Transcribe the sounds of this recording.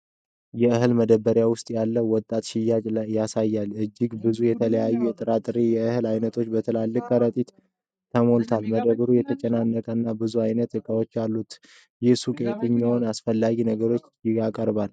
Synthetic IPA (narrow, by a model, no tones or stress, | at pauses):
jɛɨhɨlməd̪əbːəɾjawʊst̪ʼjalːəwɔt̪ʼːat̪ʃɪjat͡ʃʼlajːasajːalɨd͡ʒːɪɡbɨzujɛt̪ʰələjajːujɛt̪ʼɨɾat̪ʼɨɾijɛɨhɨlajnət̪ʰo̞t͡ʃːbət̪ʰəlalːɨkʼːəɾət̪ʼit̪ | t̪ʰːəmo̞lt̪ʰalməd̪əβɾujɛt̪ʰət͡ʃʼɛnanːəkʼənːabɨzuajnət̪ɨkʼawot͡ʃːjalːut̪ | jɛsukʼet̪ʼɨɲːɪhonasfəlːaɡinəɡəɾo̞t͡ʃːjɪɡakʼəɾβal